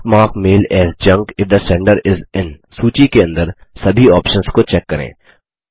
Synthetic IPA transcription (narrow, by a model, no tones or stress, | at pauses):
maːkmeːlɛːzd͡ʒɐ̃ŋɡɪfd̪əsɛ̃ɳɖəɾɪzɪ̃n | suːt͡ʃikeɐ̃nd̪əɾsɐbʱiɔːpʃə̃nskot͡ʃɛkːɐɾḛ̃ː